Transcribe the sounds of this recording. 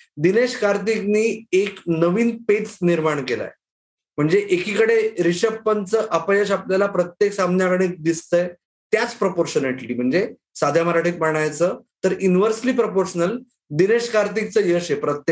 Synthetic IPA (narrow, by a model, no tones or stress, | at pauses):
d̪ineɕkaɾt̪̬ikniːeknəʋiːnpeʈsniɾmaɳkela̰j | m̤əɳd͡zeʔekiːkəɽeɾiɕəpːənt͡səːʔəpəjəɕapljalapɾət̪jeksamnjakəɽiːd̪ist̪əj | t̪jat͡spɾəpoɾɕəneʈliːm̤əɳd͡ze | sad̪ʱjaməɾaʈiːt̪̚məɳ̃ajt͡səːt̪əɾuniʋəɾsliːpɾopoɾɕənəl | d̪ineɕkaɾt̪ik̚t͡səːjəɕepɾət̪je